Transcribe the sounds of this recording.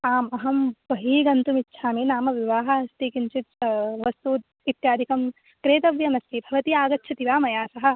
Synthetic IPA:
aːmɐɦɐmbɐɦiːɡɐnt̪umitːʃʰaːmenaːmɐʋiʋaːɦɐɐst̪ikint͡ʃit̪̚ʋɐst̪uːt̪̚ | it̪jaːd̪ʱikɐm | kɾeːt̪ɐʋjɐmɐst̪ibʱɐʋɐt̪iaːɡɐtːʃʰɐt̪iʋaːmɐjaːsɐɦɐ̆

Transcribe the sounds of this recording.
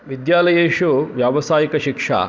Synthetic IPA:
ʋid̪jaːlɐjeːʂuʋjaːʋɐsaːjikɐʃikʂa̰ː

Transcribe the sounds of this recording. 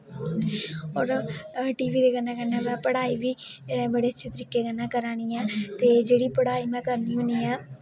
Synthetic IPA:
oɾʈiːʋiːd̪ekɐnːãkɐnːãːmɛ̃ːpɐɽaːiʋiʋɐɽeːt͡ʃːɪt̪ɪɾɪkːekɐnːaːkɐɾaːɳijãːt̪eːd͡ʒeːɽipɐɽaːimɛ̃ːkɐɾnɪjũːnɪjãː

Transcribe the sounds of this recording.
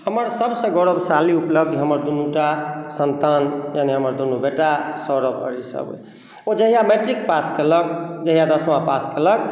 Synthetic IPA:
həməɾsəbsə̃ɡɔɽəbʱsaliupləb̚d̪ɦəməɾd̪unuʈasənt̪anjaniɦəməɾd̪unubeʈasɔɾəbə̰ɾisə̰bḛ | od͡ʒəɦijameʈɾik̚paskelək̚d͡ʒəɦijad̪əsmapaskelək̚

